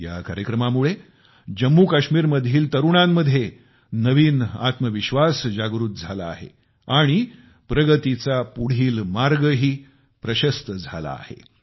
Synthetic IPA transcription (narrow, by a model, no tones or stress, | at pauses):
ja̰kaɾjəkɾəmamuɭe | d͡ʑəmːukaɕmiːɾməd̪ʱjiːlt̪əɾuɳamːəd̪ʱje | nəʋiːna̰t̪məʋiɕʋasd͡ʑaɡɾuːt̪̚d͡zʱala̰ːɦḛ | aɽ̃i | pɾəɡət̪it͡sapuɽ̤iːlmaɾɡəɦiː | pɾəɕəst̪əd͡zʱa̰la̰ːhḛ